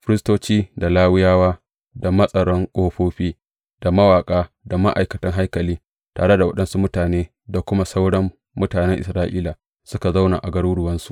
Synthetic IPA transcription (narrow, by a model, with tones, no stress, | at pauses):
fɪ˦ɾɪ˦stoː˦t͡ʃiː˦da˨laː˦wɪ˦jaː˦waː˦ | da˨mɐ˦sʼɐ˨ɽɔ˦ŋkʼoː˦ɸoː˦ɸiː˦ | d̥a˨mɐ˦waː˨kʼaː˦ | da˨ma˦ʔa̰˨jkɐ˨tɐ˦ŋɦa˦jkɐ˨liː˦ | ta̰ː˨ɽe˦da˨wɐ˦ɗɐ˦nsu˦mʊ˦taː˨neː˦ | da˨kʷʊ˦ma˦sa˦wɽɐ˦mː | ʊ˦taː˨nɛ˦ŋʔɪ̰˨sɾaː˦ʔiː˦la˨ | sʊ˦ka˨za˦wna̰˨ʔa˨ɡɐ˦ɽuː˦ɽʊ˨wɐ˦nsu̥˨ʔ